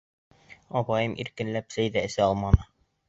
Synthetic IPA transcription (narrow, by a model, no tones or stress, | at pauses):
ɒpɑjɤmʔḭɾkɘ̆nlæpsæjd̪æɘ̆sæɒlˠmɑnɤ